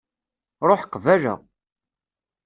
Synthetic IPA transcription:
ɾˤoħqːvæʒæ̰

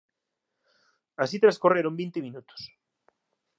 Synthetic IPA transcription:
asit̪ɾaskoreɾombint̪ɪmĩnut̪o̥s

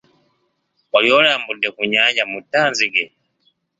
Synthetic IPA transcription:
waliolaːmbudekuɲaɲɟamutːaːnziɡe

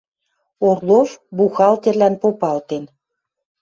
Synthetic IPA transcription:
orlovbuxɑlt̪erlænpopɑlt̪en

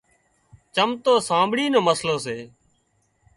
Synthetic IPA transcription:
t͡ʃəmt̪oːsãːbʱɽiːnoːməsloːseː

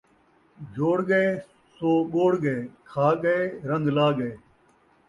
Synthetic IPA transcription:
d͡ʒʱoːɽɡəeː | soːɠoːɽɡəeːkʰaːɠəeːɾə̃nd̪laːɡəeː

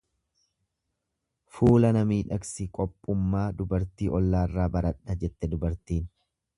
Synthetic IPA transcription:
fuːlɐnɐmiːᶑɐksɪkʼɔpʼːʊmːaːd̪ʊbɐɾt̪iːʔɔlːaːrːaːbɐɾɐᶑɐd͡ʒɛt̪ːɛd̪ʊbɐɾt̪iːn

